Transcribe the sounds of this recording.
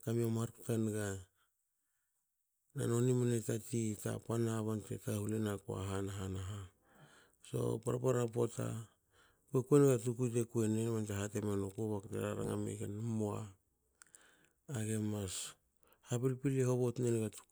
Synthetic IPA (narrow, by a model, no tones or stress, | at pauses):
kamiomhaɾktanɡa | na̰no̞nimanetatita̰panaβantḛtahulenakua̰ɦanaɦanaɦa | so̞̰paɾapaɾapota̰ | kuekuenɡatukujt̬e̞kue̞nenβanteɦate̞menokoβakteɾaɾa̰ŋa̰mḛkenamoa̰ | ɡe̞mas | hapilpileɦo̞βo̞tnenɡatu̥